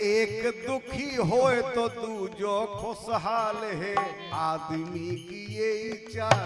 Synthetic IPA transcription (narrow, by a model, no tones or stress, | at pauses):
eːkd̪ʊkʰiɦoːet̪od̪ud͡ʒokʰosɦaːlɦe | aːd̪mikijeit͡ʃaː